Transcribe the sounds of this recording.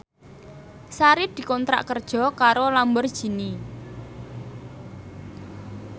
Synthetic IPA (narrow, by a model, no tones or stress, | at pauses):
saɾid̪̥i̤kɔnt̪ɾa̰ʔkərd̥ʒ̥ɔ̤kaɾolambʊrd̥ʒ̥i̤ni